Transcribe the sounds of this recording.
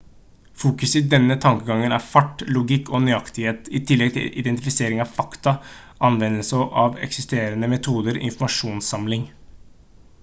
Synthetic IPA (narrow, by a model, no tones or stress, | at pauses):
fuːkʉsɪd̪ɛnːət̪ʰɑŋkəɡɑŋːənæɾfɑʈːlʊɡɪkʰːoːnyɑkt̪ɪheːt̪ɪt̪ʰɪlːɛɡ̚t̪ʰɪ̰lʔɪd̪ɛnt̪ɪfɪseːɾɪŋɑʋfɑkt̪ɑ | ʔɑnʋɛnəlsəʔɑʋɛ̰ksɪst̪eːɾənəmɛt̪ʰuːd̪əɾɔ̰ɪ̰nfɔmɑʂuːnsɑmlɪŋ